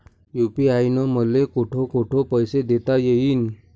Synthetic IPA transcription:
jupiajnɔməlekoʈʰokoʈʰopəjsed̪et̪ajeɦiːn

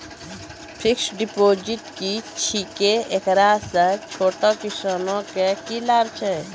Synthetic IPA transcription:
pʰɪksɖɪpoːd͡ʒɪʈkit͡ʃʰikeekɾaːsət͡ʃʰoːʈakɪsaːnõkekilaːɾt͡ʃʰɛ

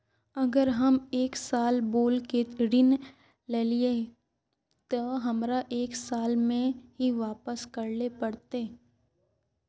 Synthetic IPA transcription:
ɐɡəɾɦɐmeːksaːlboːlkeɾɪn | leːlie | t̪oɦɐmɾaʔeːksaːlmẽɦiʋaːpəskɐɾlepɐɽt̪eː

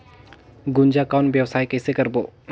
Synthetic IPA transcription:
ɡʊnd͡ʒakɔːnʋjəʋsaːikɛːsekɐɾboː

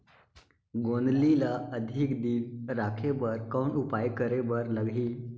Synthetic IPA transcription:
ɡond̪lilaəd̪ʱikd̪iːnɾakʰebəɾkənupajkəɾebəɾləɡʱiː

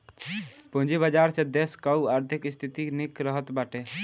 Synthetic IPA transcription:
pũnd͡ʒibəd͡ʒaːɾsed̪eskəuaɾt̪ʰɪkɪst̪ʰit̪inikɾəɦət̪baːʈe

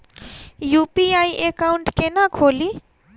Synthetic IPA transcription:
jupiajʔekaʊɳʈkenakʰoːli

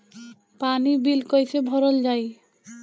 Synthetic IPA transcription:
panibilkojt͡ɕʰebʱɔɾold͡ʑaj

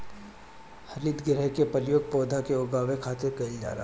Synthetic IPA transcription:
hɐɾiːd̪ɡɪɾəkepɐljoːɡ̚pɔːd̪ʱakeʊɡaːʋekʰaːt̪ɪɾkɐild͡ʒa̰ːɾa

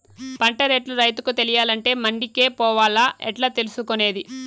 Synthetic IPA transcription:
pɐɳʈɐɾeːʈluɾɐjt̪ukut̪e̞lijaːlɐɳʈe̞ːmɐɳɖikeːpɔːʋaːlaːʔɛʈlaːt̪e̞lusukone̞ːd̪i

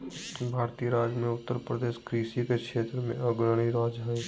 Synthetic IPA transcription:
bʱaːɾt̪iːəɾaːd͡ʒjmẽʊt̪ːəɾpɾəd̪eːʃkɾiʃikekʃeːt̪ɾəmḛ̃ʔɐɡɾəɽ̃iɾaːd͡ʒɦɛ

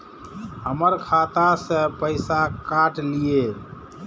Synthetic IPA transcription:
ɦəməɾkʰat̪asə̃pəɪsakaʈlije

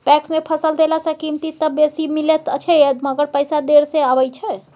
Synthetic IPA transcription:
pɛksmepʰəsəld̪elasəkimt̪it̪əbesimilet̪ət͡ʃʰɛəməɡəɾpəjsad̪eɾseabəjt͡ʃʰɛ

